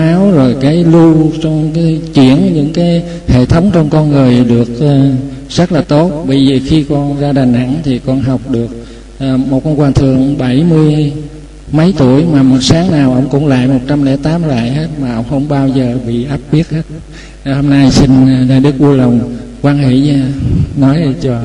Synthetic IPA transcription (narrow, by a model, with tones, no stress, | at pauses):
ʔaː˨˦wzo˨˩jkaː˨˦jlu˧t͡ɕɔ˧ŋ͡mka˨˦jt͡ɕḭ˧˩ənɲɨ̰˧˥ŋkaː˨˦j | hḛ˧˨t̪ʰə˨˦wŋ͡mt͡ɕɔ˧wŋ͡mkɔ˧nŋɨ˨˩əjɗɨ˨˩ək̚ʔːz̥ə˦˥t̚laː˨˩t̪o˦˥t̚ɓə˧jzəː˨˩xi˧kɔ˧nzaː˧ɗaː˨˩ŋʔa̰˧˥ŋt̪ʰi˨˩kɔ˧nɦa˨˩wk͡p̚ɗɨ˨˩ək̚ | ʔːmo˨˩t̚kɔ˧nkwaː˨˩t̪ʰɨ̰˧˨əŋɓa˧˩jmɨ˧əj | mə˨˦jt̪u˧˩əjmaː˨˩mo˨˩t̚saː˨˦ŋnaː˨˩wʔə̰˧˥wŋ͡mkʊ̰˧˥ŋ͡mla̰ː˧˨jmo˨˩t̚t͡ɕa˧mlɛ̰˧˥t̪aː˨˦mla̰ː˧˨jɦe˦˥t̚maː˨˩ʔə̰˧wŋ͡mxə˧˩wŋ͡mɓaː˧wzəː˨˩ɓḭ˧˨ʔaː˦˥p̚ɓi˦˥ət̚he˦˥t̚ | ho˧mna˧jsï˧ŋ̟˨naː˨˩jɗɨ˦˥k̚ʔu˧ələ˨˩wŋ͡m | kwaː˧nɦḛ˧˨˧nɔ˨˦jt͡ɕɔ˧